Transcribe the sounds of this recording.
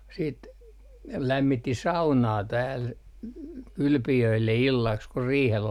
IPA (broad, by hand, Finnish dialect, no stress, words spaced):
siːt læmːitːi sɑunɑː tæːl kylpijøilːe ilːɑks kur riːhel